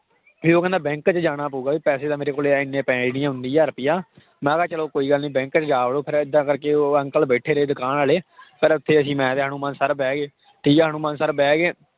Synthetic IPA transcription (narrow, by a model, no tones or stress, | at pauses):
biːoːkɛ̃nd̪aːbɛ̃ːŋkt͡ʃd͡ʒaːɽ̃aːpuːɡaːbiːpɛːseːt̪ãːmeːɾeːkoːleːɪnːẽːpɛ̃ːd͡ʒniːãɦʊ̃nd̪iːɛːəɾpijaː | mɛ̃ːkaːt͡ʃəloːkoːiːɡəlnĩːbɛ̃ːŋkt͡ʃd͡ʒaːəloːpʰɪɾɪd̪ːãːkəɾkeːoːə̃ŋkəlbeːʈʰeːɾeːd̪ʊkaːnaːleːpəɾʊt̪ʰːeːəsĩːmɛ̃ːt̪eːɦaːñũːmənsəɾbɛːɡeː | ʈʰiːkːɦaːñũːmənsəɾbɛːɡeː